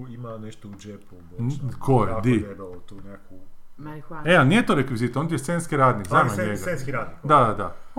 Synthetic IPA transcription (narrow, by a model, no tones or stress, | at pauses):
imaneʃt̪oud͡ʒepumokʰojed̪iebalot̪unekʰu | ealnijet̪oɾekʋizit̪ond̪ʲjesʲeinskiɾaːd̪nikznaːmaɲeɡsaenskiɾaːd̪nikd̪ad̪ad̪a